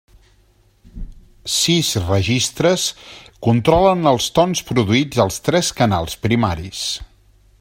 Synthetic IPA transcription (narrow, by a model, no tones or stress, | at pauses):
sizrəʒist̪ɾəskunt̪ɾɔlənəlˠst̪ɔnspɾuðuid͡zəlˠst̪ɾɛskənalˠspɾima̰ɾis